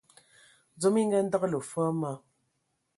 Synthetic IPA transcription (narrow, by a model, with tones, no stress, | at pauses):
d͡zo˨˦mi˦ŋɡɛ˦n̩˦də˦ɣə˦lə˨fa˦ma˦